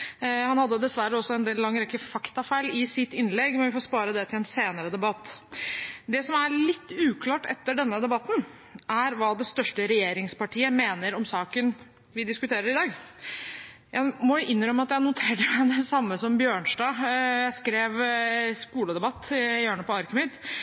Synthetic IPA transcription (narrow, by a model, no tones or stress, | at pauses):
hɑnhɑd̪ːəd̪ɛsʋæɾəɔsːɔɛnd̪eːllɑŋːɾɛkːəfɑkt̪ɑfæɪlɪsɪt̪ːɪnːlɛɡmɛnʋɪfoːɾspɑːɾəd̪ɛt̪ʰɪlɛnseːnəɾəd̪ɛbɑt̪ː | d̪ɛsɔmæɭɪt̪ːʉːkʰlɑːʈɛ̰t̪ːəɖɛnːəd̪ɛbɑt̪ːn̩ | ʔæɾʋɑːd̪ɛst̪œʂʈəɾɛjeːɾɪŋspɑʈʰiːəmeːnəɾɔmsɑːkən | ʋɪd̪ɪskʉt̪ʰeːɾəɾɪd̪ɑːɡ | jæɪmɔjʊʔɪnːɾœmːəɑt̪jæɪnʊt̪ʰeːɾəmɪd̪ɛsɑmːəsɔmbjøːɳʂɖɑːjæɪskɾeːʋskuːləd̪ɛbɑt̪ːbjøːɳəpɔɑɾkəmɪt̪